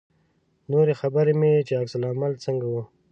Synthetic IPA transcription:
noːɾexabəɾemet͡ʃeaksəlaːmalsəŋɡawo

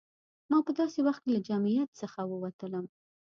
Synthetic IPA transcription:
mɑpəd̪ɑsewaxt̪̚kelad͡ʒamijat̪səxawəwat̪ələm

